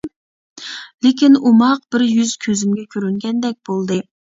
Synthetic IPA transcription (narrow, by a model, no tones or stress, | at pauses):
lekʲinumɑq̚b̥ɪɾjyz̥kʲʰøzymɡʲɛkʲʰøɾyŋɡʲɛnd̪ɛk̚ʲb̥olˠd̪ɨ